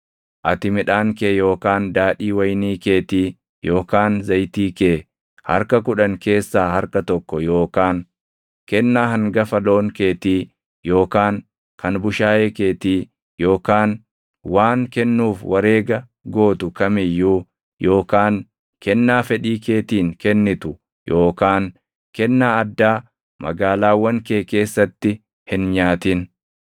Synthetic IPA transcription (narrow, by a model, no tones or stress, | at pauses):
ʔɐt̪ɪmɪᶑaːŋkeːjo̞ːkaːnd̪aːɗiːwɐjniːke̞ːt̪iː | jo̞ːkaːnzɐjt̪iːkeː | hɐ̰ɾkɐkʊᶑɐŋke̞ːsːaːhɐɾkɐt̪ɔkːɔjo̞ːkaːŋ | kɛnːaːhɐŋɡɐfɐlo̞ːŋkeːt̪iː | jo̞ːkaːŋ | kʰɐnbʊʃaːjeːke̞ːt̪iː | jo̞ːkaːn | waːŋkɛnːuːfwʔɐɾe̞ːɡɐ | ɡo̞ːt̪ʊkɐmɪjːuː | jo̞ːkaːŋ | kɛnːaːfɛᶑiːke̞ːt̪iːŋkɛnːɪt̪ʊ | jʔo̞ːkaːn | kɛnːaːɐd̪ːaː | mɐ̰ɡaːlaːwːɐŋkeːke̞ːsːɐt̪ːɪ | hɪnɲaːt̪ɪn